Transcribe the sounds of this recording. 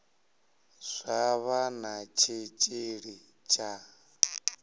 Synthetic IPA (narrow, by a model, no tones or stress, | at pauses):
z̥ʷaβanat͡ʃʰit͡ʃʼiɺi | t͡ʃʼa